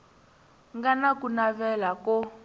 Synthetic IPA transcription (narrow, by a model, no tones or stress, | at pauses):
ŋɡanakunaβɛlakɔ